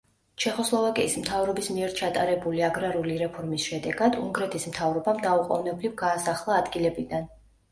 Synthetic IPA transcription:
t͡ʃʰɛχɔslˠɔvakʼiːsmt̪ʰavɾɔbismiɛɾt͡ʃʰat̪ʼaɾɛbuliaɡɾaɾuliɾɛpʰɔɾmisʃɛd̪ɛɡad̪ṵŋɡɾɛt̪ʰismt̪ʰavɾɔbamd̪auqʼɔ̰vnɛblivɡaːsaχlˠaːd̪ɡilɛbid̪an

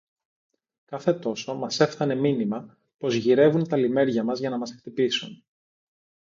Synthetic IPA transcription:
kɐθe̞t̪o̞so̞mɐse̞fθɐne̞minimɐ | po̞zʝiɾe̞vunt̪ɐlime̞ɾʝɐmɐzʝɐnɐmɐsekt̪ipisun

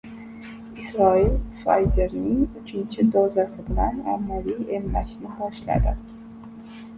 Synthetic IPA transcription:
isɾɒilfajzeɾnɪŋʊt͡ʃʰɪnt͡ʃʰɪd̪ozasɪbɪlana̰mːalijemːaʃnɪhɒʃla̰d̪ɪ

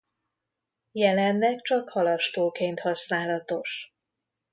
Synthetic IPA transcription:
jɛlɛnːɛkt͡ʃɒkhɒlɒʃt̪oːkeːnt̪hɒsnaːlɒt̪o̞ʃ

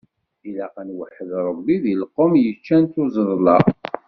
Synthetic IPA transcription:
ilæqənwəħəðɾˤəbːiðiləqːəmjət͡ʃːænt̪uzˤəðˤlɑ̰

